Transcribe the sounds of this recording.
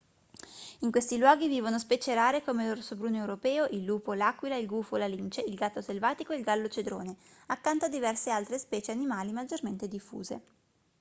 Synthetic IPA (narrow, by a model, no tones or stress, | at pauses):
iŋkwest̪ilwɔːɡiviːvonospɛːt͡ʃeɾaːɾekomeloɾosobɾuːnewɾopɛːoʔilːuːpolaːkwilailɡuːfolalint͡ʃeilɡat̪ːoselvaːt̪ikoeilɡalːot͡ʃed̪ɾo̰ːne | akːant̪oad̪ːivɛrsealt̪ɾespɛːt͡ʃeanimaːlimad͡ʒorment̪ed̪ifːṵːzḛ